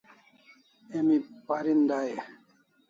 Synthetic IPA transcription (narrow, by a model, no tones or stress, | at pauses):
emipaɾind̪aje